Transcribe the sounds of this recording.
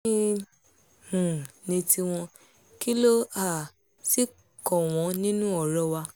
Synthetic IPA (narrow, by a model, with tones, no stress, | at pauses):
ĩ˦ | hũ˨nĩ˧ti˧w̃ɔ̃˧ | ki˦lo˦a˦˨ | si˦ | kɔ˨w̃ɔ̃˨˧nĩ˦nũ˦ɔ˦˨ɾɔ˦wa˧